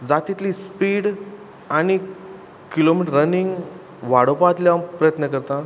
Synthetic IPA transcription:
d͡zat̪it̪lispiːɽ | aɽ̃i | kilomiʈəɾːəniŋɡ | ʋaɽopat̪ljapɾəjət̪nəkəɾt̪ã

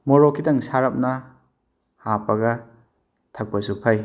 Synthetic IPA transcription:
mɔɾokʰidɐŋsaɾɐp̚nɐ | hapɐɡɐ | tʰɐk̚bɐsupʰaj

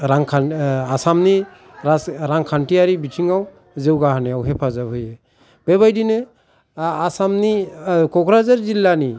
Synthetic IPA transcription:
ɾaŋkʰanasamni | ɾaɾaŋkʰanʈiaɾibitʰiŋaw | zewɡaɦanɛawɦepʰazabɦɯjɛ | b̥ebajdinɯ | asamnikɔkɾazaɾzilːani

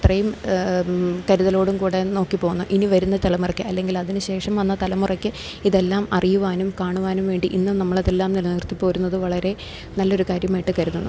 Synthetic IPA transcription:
t̪rɐjum | kɐɾuðɐlo̞ːɽumkuːɽe̞no̞ːkːipo̞ːɣunːuʔiniʋɐɾunːɐt̪ɐlɐmurɐkʲːɨɐlːe̞ŋɡilɐðinɨɕe̞ːʂɐmʋɐnːɐt̪ɐlɐmurɐkʲːɨ | iðelːaːmɐrijuʋaːnumkaːɳuʋaːnumʋe̞ːɳɖiʔinːumnɐmːɐɭɐðelːaːmnilniːrt̪ipːo̞ːɾunːɐðɨʋɐɭɐɾe̞ | nɐlːo̞ɾukaːɾjɐmaːjiʈːɨkɐɾuðunːṵ

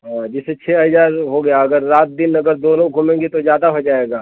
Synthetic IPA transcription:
ɦãːd͡ʒɪset͡ʃʰeːɦɐzaːɾɦoɡɐjaɐɡəɾːaːt̪̚d̪ɪnɐɡəɾd̪oːnõɡʱʊmẽːŋɡet̪ozjaːd̪aɦod͡ʒaːeːɡaː

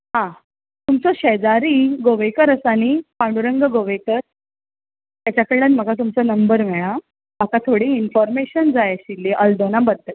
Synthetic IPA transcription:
ɦã | t̪umt͡sɔɕed͡zaɾiːɡoʋekəɾəsañipãɳɖuɾəŋɡəɡoʋekəɾ | t̪jat͡ɕakəɾɭənm̤əɡat̪̬umt͡sɔnəmbəɾmɛɭa | bakat̪ʰoɽiinfɔɾmeɕənd͡zajaɕilːeʔəld̪onabəd̪t̪ə

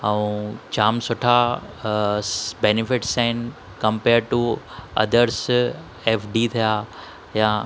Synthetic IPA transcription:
aũt͡ʃaːmsʊʈʰa | benɪfɪʈsãɪn | kɐ̃mpeːɾɖ̚ʈuɐ̰d̪əɾs | efɖit̪ʰija | jã

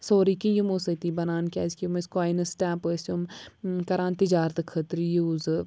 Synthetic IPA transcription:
soːɾikijumosɐt̪ibɐnaːnkʲaːzkiumɐskaaːjnɐsʈɛːpəsumkɐɾaːnt̪id͡ʒaːɾt̪ɨkʰət̪ɾijuːzɨ

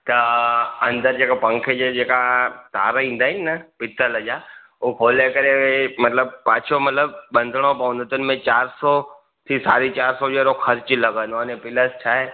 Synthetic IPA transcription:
t̪ɐɐ̃nd̪əɾd͡ʑeːkapɐ̃ŋkʰed͡ʑed͡ʑeːkat̪a̰ːɾəĩːn̆d̪aːɦɪnɪnɐpɪt̪ʰəlɐd͡ʑaː | ukʰoːlekɐɾeemɐt̪ləb̚paːt͡ʃʰomɐt̪ləb̚ɓɐ̃nd̪ʱəɽ̃opɐʋə̃nd̪ʱət̪ʊnɪ̆mẽt͡ɕaːɾsɔ | t̪ʰisa̰ːɾit͡ɕaːɾsɔd͡ʑeːɾoxʰɐɾt͡ɕɪlɐɡə̃noənepɪləst͡ɕʰaːɦe

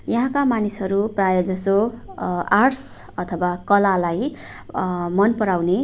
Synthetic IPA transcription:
jʌɦãkamanisɦʌɾuprajʌd͡zʌso | ars | ʌt̪ʰʌwakʌlalaj | mʌnpʌɽawne

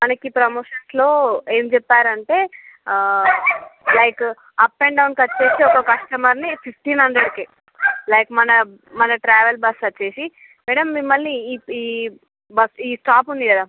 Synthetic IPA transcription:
mɐnɐkipɾɐmoːʃɐnslo̞ːe̞ːmd͡ʒɛpːaːɾɐɳʈe̞ː | lɐjk | ɐpːeɳɖɐwnkɐt͡ʃːe̞ːsiɔkɐkɐʂʈɐmɐɾnipʰipʰʈiːnɦɐɳɖeɖke | lɐjkmɐnɐ | mɐnɐʈɾaːʋelbɐsɐt͡ʃːe̞ːsi | mɛːɽɐmːimːɐlniː | bɐsiːsʈaːpund̪ikɐd̪aː

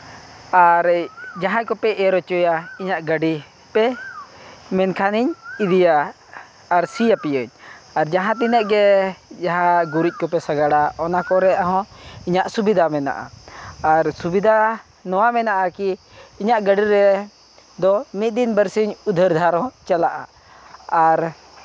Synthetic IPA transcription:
aɾd͡ʒaɦãkɔpɛʔɛɾɔt͡ʃɔjaiɲaʔɡəɖi | pɛ | mɛnkʰaniɲid̪ijaː | ɾsijapijəɲaɾd͡ʒaɦãt̪̬inəʔɡɛd͡ʒaɦãɡuɾic̪̚ˀkɔpɛsaɡaɽaɔnakɔɾɛaɦɔ̃iɲaʔsubid̪ʱamɛna̰ʔa̰aɾsubid̪ʱa | nɔwamɛnaʔakiː | ɲaʔɡəɖiɾɛ | d̪ɔmit̪̚ˀd̪inbəɾsiɲud̪ʱəɾd̪ʱaɾɔ̃t͡ʃalaʔa̰ | aɾ

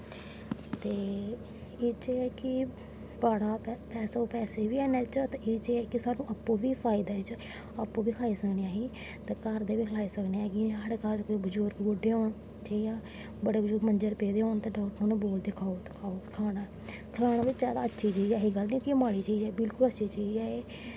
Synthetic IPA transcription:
t̪eː | ɪt͡ʃeɛːkɪ | baːɽaːpɛːsaːoːpɛːseːʋiːɛːnɛːt͡ʃt̪aɪt͡ʃeːɛːkɪsaːnũːʔəpːõːʋiːpʰaːɪd̪aːɪt͡ʃ | apːõːʋiːkʰaːiːsəkneːãːɦiː | t̪eːkəɾd̪eːʋiːkʰəlaːiːsəkneːaːɡiɦəɽkalkːbʊd͡ʒʊːɾkbʊɖeːɦoːɳ | t͡ʃeijãː | bəɽeːbəd͡ʒʊɾmənd͡ʒəɾpeːd̪eːɦoːnt̪ẽːɖaːkʈoːneːboːld̪eːkʰaːot̪kʰaːokʰaːna | kʰəlaːnaːʋɪt͡ʃzjaːd̪a̰ːətːʃʰiːt͡ʃiːd͡ʒɛːɦiɡəlnĩkimaːɽiːt͡ʃiːd͡ʒɛːebɪlkʊlətːʃʰiːt͡ʃiːd͡ʒɛːeː

